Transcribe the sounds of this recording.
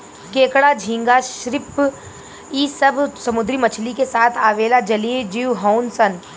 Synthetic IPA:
keːkɽad͡ʒʱĩŋɡaʃɾɪp | iːsɐbʱsɐmʊd̪ɾimɐt͡ʃʰlikesaːt̪ʰaːʋeːlad͡ʒɐlid͡ʒiʋɦɔʊnsən

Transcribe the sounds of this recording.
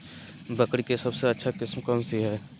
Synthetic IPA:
bəkɽikesɐbseɐtːʃʰakɪsmkɐmseɦɛː

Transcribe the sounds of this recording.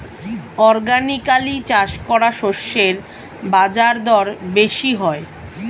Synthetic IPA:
ɔɾɡanikalit͡ɕaʃkɔɾaʃoʃːeɾ | bad͡ʑaɾd̪ɔɾbeʃiɦɔe

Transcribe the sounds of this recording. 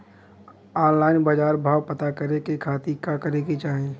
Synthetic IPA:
ɔːnlaːɪnbad͡ʒaːɾbʱaːwpɐt̪akɐɾekekʰaːt̪ikakəɾeket͡ʃaːɦẽ

